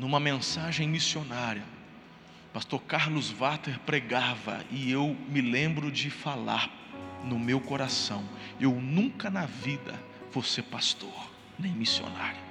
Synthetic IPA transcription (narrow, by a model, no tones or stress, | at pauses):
nũmɐmẽsaʒẽj̃misionaɾjɐ | past̪oɾkaɾlʊzvat̪eɾpɾeɡavɐ̰ɪewmɪlẽmbɾʊd͡ʒɪfala̰ɾ | nʊmewkoɾasɐ̃w̃ewnũkɐnɐvid̪ɐ̰ | vosepast̪oɾ | nẽj̃misio̰na̰ɾjʊ